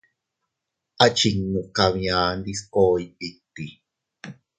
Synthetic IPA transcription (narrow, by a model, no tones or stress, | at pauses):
at͡ʃiŋːukaβĩãːnd̪iskoːipit̪ːi